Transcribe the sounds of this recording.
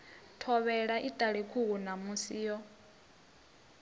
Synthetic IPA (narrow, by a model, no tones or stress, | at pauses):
tʰɔβɛɺaʔitʼaɺikʰukunamusiːjɔ